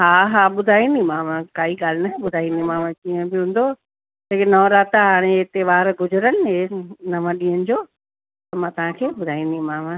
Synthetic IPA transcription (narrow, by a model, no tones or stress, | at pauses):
ɦaːɦaːɓʊd̪ʱaːĩnd̪ĩmãːʋãkaːiɡaːl̤ɪnaɦẽɓʊd̪ʱaːĩnd̪imãːʋãkiːə̃bɪɦũːn̆d̪o | tekenɔːɾaːt̪ɦaːɽ̃eɦɪt̪eʋaːɾɡʊzʊɾənɪ̆ɦenɐʋə̃ɗĩːɦənɪ̆d͡ʑoː | t̪ɐmãːt̪ɐʋɦãkʰeːɓʊd̪ʱaːĩːnd̪imãːmã